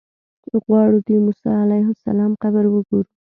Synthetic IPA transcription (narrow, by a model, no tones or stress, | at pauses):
ɣwɑɽud̪imusɑalajɦʊsa̰lɑmxabəɾwəɡoɾu